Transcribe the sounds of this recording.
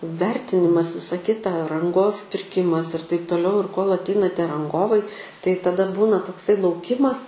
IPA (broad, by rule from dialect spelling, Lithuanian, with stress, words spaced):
ˈʋʲɛrʲtʲɪnʲɪmɐs ˈʋʲɪsɐ ˈkʲɪtɐ rɐŋˈɡoːs pʲɪrʲˈkʲɪmɐs ɪr tɐɪp toːˈlʲɛʊ ɪr koːlˠ ɐtʲˈɛɪnɐ ˈtʲiɛ rɐŋˈɡoːʋɐɪ tɐɪ tɐˈdɐ ˈbuːnɐ toːkˈsɐɪ lˠɐʊˈkʲɪmɐs